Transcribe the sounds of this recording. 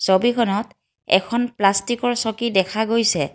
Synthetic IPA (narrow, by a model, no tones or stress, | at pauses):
sobikʰɔnɔt | ɛ̰kʰɔnplastikɔɹsɔkidɛkʰaɡojsɛ